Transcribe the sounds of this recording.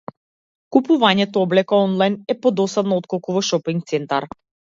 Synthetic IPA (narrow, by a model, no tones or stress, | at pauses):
kupuvaɲɛt̪ɔɔblɛkaɔnlˠajnɛpɔd̪ɔsad̪nɔot̪kɔlˠkuvɔʃɔpiŋk̚t̪sɛnt̪aɾ